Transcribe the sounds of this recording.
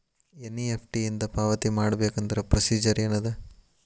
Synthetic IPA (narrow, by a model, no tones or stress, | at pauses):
enːiepʰʈijind̪ɐpaːʋɐt̪imaːɽɐbeːkɐnd̪ɐɾɐpɾɐsiːd͡ʒɐɾenːɐd̪e